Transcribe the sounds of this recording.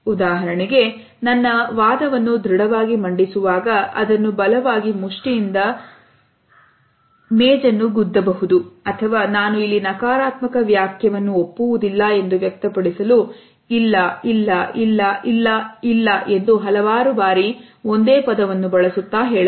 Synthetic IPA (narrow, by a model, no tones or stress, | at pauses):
ud̪aːɦɐɾɐɳiɡe̞ | nɐnːɐʋaːd̪ɐʋɐnːud̪ɾiɽɐʋaːɡimɐɳɖisuʋaːɡɐʔɐ̰d̪ɐnːubɐlɐʋaːɡimuʂʈijind̪ɐ | mɛːd͡ʒɐnːuɡud̪ːɐbɐɦud̪uɐt̪ʰɐʋaːnaːnuilːinɐkaːɾaːt̪mɐkɐʋjaːkʰjɐʋɐnːuopːuʋud̪ilːɐe̞nd̪uʋjɐk̚t̪ɐpɐɽisɐlu | ilːɐilːɐilːɐilːɐilːɐʔe̞nd̪uɦɐlɐʋaːɾubaːɾio̞nd̪eːpɐd̪ɐʋɐnːubɐɭɐsut̪ːaːɦeːɭi